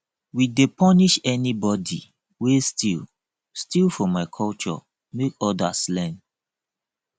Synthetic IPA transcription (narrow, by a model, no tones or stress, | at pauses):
widepʰɔniʃɛnibɔdḭ | westʰil | stilfɔmaɪkʰɔlt͡ʃɔ̰ | mekɔdaslɛ̃n